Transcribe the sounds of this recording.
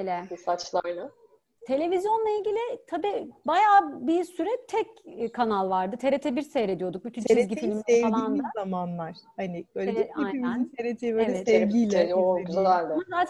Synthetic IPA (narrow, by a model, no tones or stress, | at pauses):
lʲɛɯsat͡ʃlˠaɾna | t̪ʰe̞lʲe̞vizjo̞nlˠailʲɟilʲɪt̪ʰabiːbajaːbiɾsyɾɛt̪ʰɛckʰːanalˠvaɾd̪ɯt̪ʰe̞ɾet̪ʰɛbiɾsejɾe̞d̪ijo̞d̪uk̚byt̪ʰynʰizɟʲiimimealˠianzamanlˠaɾ̥hanɪb̥øjleɛajimint̪ʰeɾet̪ʰeveɛsɛɡijlʲɛɛozalˠaɾd̪azaːt̪ʰ